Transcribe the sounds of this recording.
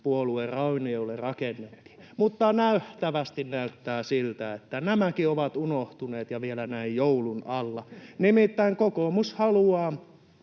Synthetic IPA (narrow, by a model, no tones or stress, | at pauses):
puoluerɑuniolːerɑkenːet̪ːi̥ | mut̪ːɑnæyht̪æʋæst̪innæyt̪ːæːsilt̪æet̪ːænæmækioʋɑt̪unoht̪uneːt̪jɑʋielænæijjoulunɑlːɑnimit̪ːæiŋkokomushɑluɑː